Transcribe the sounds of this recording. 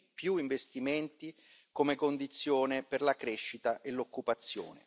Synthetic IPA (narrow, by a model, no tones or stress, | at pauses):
pjuiɱvest̪iment̪i | komekond̪it̪sːjoːneperlakɾeʃːit̪aʔelokːupat̪sːjo̰ːnḛ